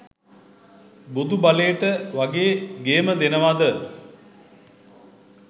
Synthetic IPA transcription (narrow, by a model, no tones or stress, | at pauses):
bud̪ubalejəʈəʋaɡeːɡeːməd̪enəʋad̪ə